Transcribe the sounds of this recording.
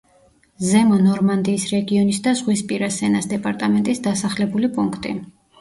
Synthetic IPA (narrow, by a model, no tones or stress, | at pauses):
zɛmɔnɔɾmand̪iːsɾɛɡiɔnisd̪azʁwispʼiɾasɛnasd̪ɛpʼaɾt̪ʼamɛnt̪ʼisd̪asaχlɛbulipʼuŋkʰt̪ʼḭ